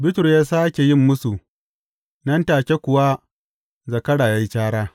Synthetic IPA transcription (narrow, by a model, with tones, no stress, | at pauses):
bɪ˦tʊ˨ɾjaː˦saː˦kʲe˨jɪ˦mːʊ˦su˨ | nɐ˦ntaː˨kʲe˦kʷʊ˨wa˦ | zɐ˨kɐ˦ɽaː˨jaː˦ji˦t͡ʃaː˦ɽaː˦